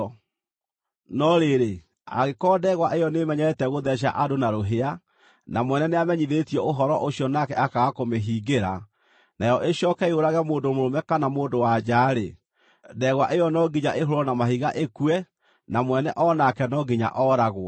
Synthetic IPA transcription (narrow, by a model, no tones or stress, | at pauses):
nɔɾeɾe | a̰ɣekɔdɛɣwaʔejɔnemɛɲɛɛtɛɣoðɛɕ̬a̰ʔadonaɾoɦea | namwɛnɛneamɛɲiðetiɛoɦɔɾɔʔoɕjɔnakɛakaɣakomeɦiːɡeɾa | najɔʔeɕjɔːkɛeoɾaɣɛmoːndomoɾomɛkanamoːndowad͡ʒaːɾe | dɛɣwaʔejɔnɔɡiɲaʔeɦoɾɔnamaɦiɣaʔekuɛ | namwɛnɛʔɔnakɛnɔɡiɲa̰ʔɔɾaɣwɔ